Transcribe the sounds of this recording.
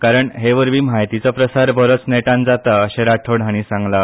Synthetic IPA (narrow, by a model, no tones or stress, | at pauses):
kaɾəɳɦeʋəɾʋiːmaɦjt̪it͡səpɾəsaɾbʱəɾot͡sneʈãnd͡zat̪əəɕẽɾaʈʰoɽʱaɽ̃isãŋɡla